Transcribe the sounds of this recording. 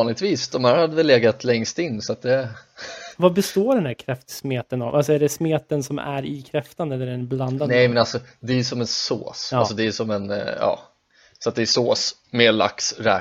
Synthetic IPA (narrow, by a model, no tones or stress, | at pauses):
nlɪɡ̚t̪viːsd̪ɔmhæːɾhad̪ːəvɛlːeːɡat̪ʰlɛŋst̪ɪnːsɔat̪̚d̪ɛ | vabɛst̪oːɖɛnd̪æːɾkʰɾɛft̪smeːt̪əna̰vʔals̬ɔæɖɛsmeːt̪ːənsɔmʔæ̰ɾɪkʰɾɛft̪and̪əɛlːəɖɛnbland̪anɛjmɛnalsɔd̪ɛːjsɔmɛnso̰ːsalsɔd̪ɛːsɔmɛnjɑ̰ː | sɔat̪̚d̪ɛːsoːs | meːɭa̰ksɾɛ̰ː